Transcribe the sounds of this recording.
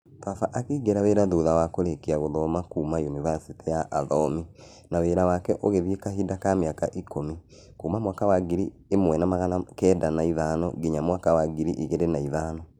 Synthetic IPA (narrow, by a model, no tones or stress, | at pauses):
fafaʔakiːɡeɾaweɾaðoːðawakoɾekiaɣoðɔmakuːmajoniβasiteaʔaðɔmi | naweːɾawakɛʔoɣeβekaɦidakameakaʔikomi | kuːmamwakawaɡiɾi | emwɛnamaɣalakɛːdanaiðaːnɔ̰ɡiɲamwakawaɡiɾiʔiɣeɾenaiðaːnɔ